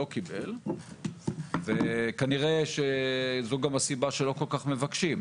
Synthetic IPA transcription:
o̞kibe̞l | vekaniʁeʃezoɡamasibaʃelo̞ko̞lkaχme̞vakʃim

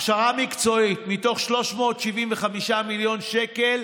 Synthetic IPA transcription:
χʃaʁamikt͡so̞itmito̞χʃlo̞ʃmo̞ːtʃiviɱveχamiʃamiljo̞nʃeke̞l

